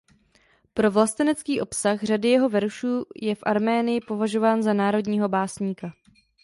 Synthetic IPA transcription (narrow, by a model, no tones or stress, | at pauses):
pɾo̞vlast̪ɛnɛt͡skiːʔo̞psaxr̝adɪjɛɦo̞vɛɾʃuːjɛfʔaɾmɛːnɪjɪpo̞vaʒo̞vaːnzanaːɾo̞dɲiːɦo̞baːsɲiːka